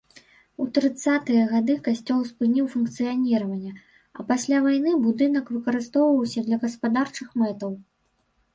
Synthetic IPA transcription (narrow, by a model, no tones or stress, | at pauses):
ut̪ɾɨt̪sːat̪ɨjɐɣad̪ɨkasʲt͡sʲɔlˠspɨnʲiwfunkt̪sɨjanʲiɾɐvɐnʲːɐ | ɐpasʲlʲavajn̪ɨbud̪ɨnɐkvɨkɐɾɨst̪ɔwvɐwsʲɐd̪lʲɐɣɐspad̪art͡ʂɨxmɛt̪ɐw